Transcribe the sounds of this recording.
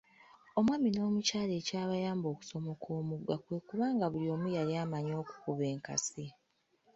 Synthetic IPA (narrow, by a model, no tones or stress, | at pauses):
o̞mwaːmino̞ːmucaːle̞ːcaːβajaːmbo̞ːku̥so̞mo̞kʰo̞ːmuɡwakwe̞kuβaːŋɡaβuljo̞ːmujaliaːmaɲo̞ːku̥kuβe̞ːŋka̰si